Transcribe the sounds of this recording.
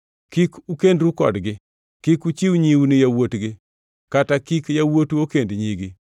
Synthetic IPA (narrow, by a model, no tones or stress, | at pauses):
kikukendɾukɔ̰dɡɪ | kikut͡ʃiwɲiwnɪjawotɡɪ | katakikjawotokendɲiɡɪ